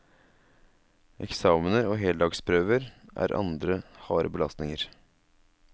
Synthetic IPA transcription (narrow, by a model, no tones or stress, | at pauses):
ʔɛ̰ksɑːmənəɾoːɦeːld̪ɑːɡspʰɾøːʋəɾʔæ̰ːɾʔɑ̰nd̪ɾəhɑːɾʔəbəlɑst̪nɪŋəɾ